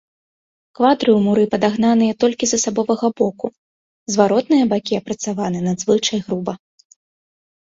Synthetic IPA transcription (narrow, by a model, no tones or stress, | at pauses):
kvad̪ɾɨumuɾɨpɐd̪aɣn̪anɨjɐt̪ɔlʲkʲizɐsabɔvɐɣɐbɔku | zvaɾɔt̪nɨjɐbakʲiɐpɾɐt̪savanɨnɐd̪zvɨt͡ʂɐjɣɾubɐ